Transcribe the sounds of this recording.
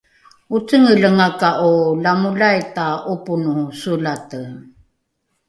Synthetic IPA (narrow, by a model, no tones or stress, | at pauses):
ut͡səŋələŋakaʔulamulajtaʔupunusulatə